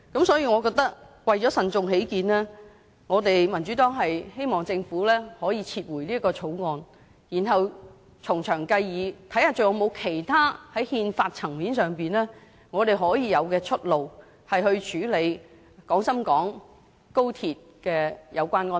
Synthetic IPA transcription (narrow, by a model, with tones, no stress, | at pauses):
kɐ˨˥msɔː˨˥jiː˧ŋɔː˨˧kɔː˧k̚t̪ɐ˥k̚wɐ˨jt͡ʃɔː˨˥sɐ˨nt͡sʊ˨ŋhe˨˥jkiː˨˧nlɛː˥ | ŋɔː˨˧t̪e˨jmɐ˨˩nt͡ʃyː˨˥t̪ɔː˥ŋɦɐ˨jhe˥jmɔː˨˩ŋt͡sɪ˧ŋfuː˨˥lɛː˥hɔː˨˥jiː˨˧t͡sʰiː˧t̚wuː˨˩jliː˥kɔː˧t͡sʰo˨˥wŋɔː˧n | jiː˨˩nɦɐ˨w | t͡sʰʊ˨˩ŋt͡ʃʰœː˨˩ŋkɐ˧jːiː˨˧t̪ʰɐ˨˥jhaː˨˧t͡sɵ˨wjɔ˨˧wmo˨˧wkʰe˨˩jt̪ʰaː˥hɐ˨˥jhiː˧nfaː˧t̚t͡sʰɐ˨˩ŋmiː˨˥nsœː˨˩ŋpiː˨nlɛː˥ | ŋɔː˨˧t̪e˨jɦɔː˨˥jiː˨˧jɐ˨˧wkɛː˧t͡ʃʰɵ˥t̚lo˨w | hɐ˨jhɵ˧ɥt͡ʃʰyː˨˥le˨˧j | kɔː˨˥ŋsɐ˥mkɔː˨˥ŋ | ko˥wt̪ʰiː˨t̚kɛː˧jʔɐ˨˧wkʷaː˥nŋɔː˧n